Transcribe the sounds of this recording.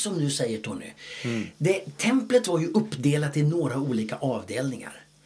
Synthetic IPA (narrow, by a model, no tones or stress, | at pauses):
sɔmd̪ɵsɛjːəʈʰɔnːɪ̰d̪ɛt̪ʰɛmplət̪vaɾjɵʔɵpːd̪eːlat̪t̪ʰːɪlnoːɾauːliːkaʔɑːvd̪eːlnɪŋa̰ɾ